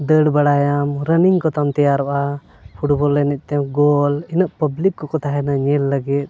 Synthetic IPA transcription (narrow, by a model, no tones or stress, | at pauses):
d̪əɽbaɽajamɾəniŋkɔt̪amt̪ɛjaɾɔʔa | pʰuʈbɔlːɛnɛc̪̚ˀt̪ɛɡɔlinəʔpəblikːɔkɔt̪aɦɛnaɲɛlːəɡɛt̪̚